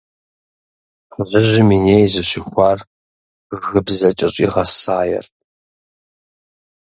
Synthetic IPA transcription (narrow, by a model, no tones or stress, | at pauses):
ħzɨʑɪmineːjzɨɕɪxʷɑːr | ɣɨbzɐt͡ʃʼɪɕʼḭːʁɐsaːjɛ̰rtʰ